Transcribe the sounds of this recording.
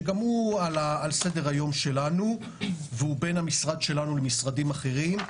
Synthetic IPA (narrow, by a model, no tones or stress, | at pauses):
ɡamualaːlse̞deʁajo̞mʃe̞lanu | veube̞namisʁad̪ʃe̞lanulemisʁadimaχe̞ʁim